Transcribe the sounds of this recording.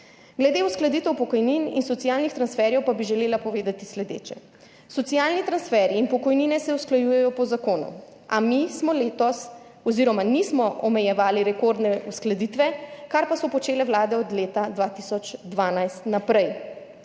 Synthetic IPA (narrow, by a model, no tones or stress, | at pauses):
ɡlɛd̪eusklad̪it̪ɛwpɔkɔjninḭnsɔt̪sijaːlnixt̪ɾansfɛɾjɛwpabiʒɛleːlapɔʋeːd̪at̪islɛd̪ḛːt͡ʃɛ | sɔt̪sijaːlnit̪ɾansfɛɾiːnpɔkɔjninɛsɛusklajujɛjɔpɔzakoːnṵ | amismɔleːt̪ɔs | ɔziɾɔmanismɔɔmɛjɛʋaːliɾɛkoɾd̪nɛusklad̪it̪ʋɛkaɾpasɔpɔt͡ʃeːlɛwlaːd̪ɛɔd̪leːt̪ad̪ʋaːt̪isɔt͡ʃd̪ʋaːnajst̪napɾɛj